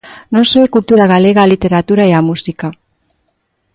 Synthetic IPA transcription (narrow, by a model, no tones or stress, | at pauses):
nonsojkult̪uɾaɣale̞ɣalit̪e̞ɾat̪uɾaeamusika